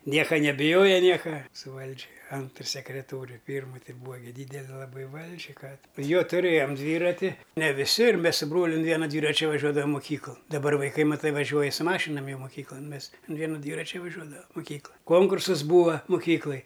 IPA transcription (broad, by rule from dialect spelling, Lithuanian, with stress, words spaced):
ˈnʲiɛkɐ nʲɛbʲɪˈjoːjɛ ˈnʲiɛkɐ sʊ ˈʋɐlʲd͡ʒʲɪ ˈɐntr sʲɛkrʲɛˈtoːrʲʊ ˈpʲiːrmʊ ˈtʲɪ ˈbuːɐ ˈdʲiːdʲɛlʲɪ lˠɐˈbɐɪ ˈʋɐlʲd͡ʒʲɪ ˈkɑː joː tʊˈrʲeːjoːm ˈdʲʋʲiːrɐtʲɪ nʲɛ ʋʲɪˈsʲɪ ɪr ˈmʲɛs sʊ ˈbroːlʲʊ ʊn ˈʋʲiɛnɐ ˈdʲʋʲiːrɐt͡ʃʲɛ ʋɐˈʒʲuɔdɐʋɐm moːˈkʲiːklˠɐn dɐbˈɐr ʋɐɪˈkɐɪ mɐˈtɐɪ ʋɐˈʒʲuɔjɛ sʊ ˈmɑːʃʲɪnɐm ˈjɛʊ moːˈkʲiːklˠɐn ˈmʲɛs ɐn ˈʋʲiɛnʊ ˈdʲʋʲiːrɐt͡ʃʲɛ ʋɐˈʒʲuɔdɐʋɐm moːˈkʲiːklˠɐ ˈkoːŋkʊrsɐs ˈbuːʋɐ moːˈkʲiːklˠɐj